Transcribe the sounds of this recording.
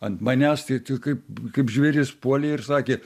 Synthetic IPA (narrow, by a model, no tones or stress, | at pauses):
ɐnt̪mɐnʲæst̪ʲɐɪt̪ʲɪkɐɪpkɐɪpʒʲʋʲeɾʲɪspuɔlʲeːɪrsɑːkʲeː